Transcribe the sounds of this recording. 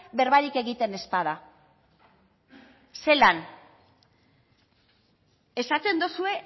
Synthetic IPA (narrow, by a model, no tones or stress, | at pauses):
be̞ɾβaɾike̞ɣit̪e̞ne̞sp̪aða | se̞lan | e̞sat̪e̞nd̪osue̞